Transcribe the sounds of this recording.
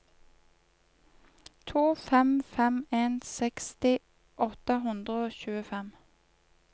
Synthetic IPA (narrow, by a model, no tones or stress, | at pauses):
t̪ʰuːfɛmfɛmeːnsɛkst̪ɪ | ʔɔt̪əɦʉnd̪ʁəoːçʉːəfɛm